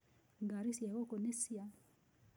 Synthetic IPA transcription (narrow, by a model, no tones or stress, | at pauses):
ŋɡaɾisjaɣokonesia